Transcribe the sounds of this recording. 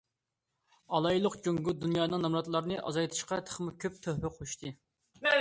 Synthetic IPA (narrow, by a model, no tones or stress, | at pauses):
ɑlˠɑjlˠʊqd͡ʒoŋɡud̪unjɑːnɨŋnɑmɾɑt̪lˠɑɾnɨʔɑ̰zɑjt̪ʰɨ̥ʃqɑt̪ʰə̥χmɨkʲʰøp̚t̪ʰøhɾɪqʰoʃt̪ʰɨ